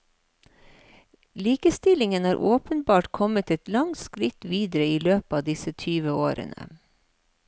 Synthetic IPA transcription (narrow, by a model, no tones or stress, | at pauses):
liːkəst̪ɪlɪŋənɑːɾʔoːpənbɑːʈkʰɔmət̪ɛt̪lɑŋt̪skɾɪt̪ʋiːd̪əɾəiːløːpɑːd̪ɪsət̪ʰyːʋəoːɾʔə̰nə̰